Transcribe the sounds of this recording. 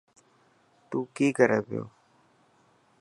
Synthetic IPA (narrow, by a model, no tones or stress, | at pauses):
t̪uːkiːkəɾeːbɪjo̰ː